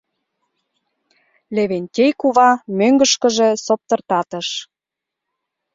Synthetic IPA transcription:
leβenʲt̪ʲejkuβɑmøŋɡə̆ʃkə̆ʒĕsop̚t̪ɤ̆rt̪ɑt̪ə̆ʃ

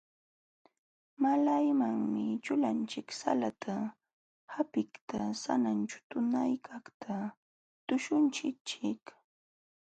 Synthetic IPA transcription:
malajmaŋmɪt͡ʃʊlant͡ʃɪksa̰lat̪ʰa | hapɪkt̪asa̰nant͡ʃʊ̥t̪ʊnajkʰaχt̪ʰa | t̪ʊʃʊnt͡ʃɪt͡ʃɪk

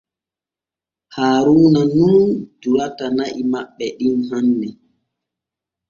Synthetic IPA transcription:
haːɾuːnanund͡ʒulatanaʔimaɓːɛɗinɦanːɛ

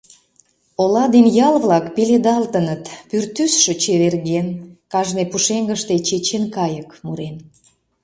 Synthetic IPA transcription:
olɑd̪enjɑlβlɑkpeled̪ɑlt̪ənət̪pyrt̪ysʃø̆t͡ɕeβerɣenkɑʒnepuʃeŋɡəʃt̪et͡ɕet͡ɕenkɑjəkmuɾen

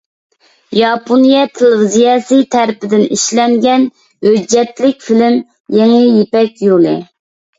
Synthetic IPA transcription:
jɑpʰonijɛt̪ʰelɪvizijɑsijt̪ʰæɾpɪd̪ɪniʃlɛŋɡʲɛn | hød͡ʒːɛt̪lɪkʲfilɪm | jeŋɪjepɛkʲjolˠɪ

